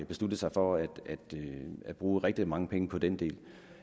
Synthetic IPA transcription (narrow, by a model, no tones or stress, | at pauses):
b̥e̝slud̥əsɑ̈ɪfɒ̽æd̥æd̥æd̥b̥ʁuːʁɛɡ̥̚d̥imɑ̈ŋəpʰeŋəpʰɒ̽d̥end̥e̝̰ːl